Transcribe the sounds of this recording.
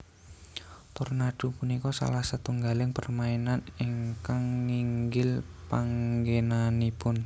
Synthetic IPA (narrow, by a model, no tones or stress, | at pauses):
t̪ɔrnaɖ̥ṳpunikɔsa̰lahsət̪uŋɡalɪŋpərmaenaniŋkaŋːiŋɡɪlpaŋɡenanipʊn